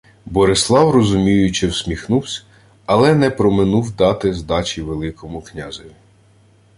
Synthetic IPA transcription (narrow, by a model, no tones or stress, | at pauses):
bɔɾɪslˠɑwrɔzʊmʲijʊt͡ʃɪwsʲmʲixnuwsʲ | ɐlˠɛnɛpɾɔmɪnuwd̪ɑt̪ɪzd̪ɑt͡ʃʲiʋelˠɪkɔmʊknʲɑzɔʋʲi